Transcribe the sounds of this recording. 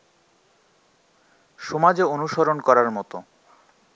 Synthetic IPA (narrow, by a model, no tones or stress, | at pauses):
ʃɔmad͡ʑeonuʃoɾonkɔɾaɾmɔt̪o